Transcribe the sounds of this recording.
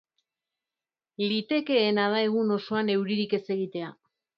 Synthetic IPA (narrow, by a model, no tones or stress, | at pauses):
lit̪e̞ke̞ːnað̞ae̞ɣ̞uno̞so̞ane̞wɾiɾike̞se̞ɣit̪e̞a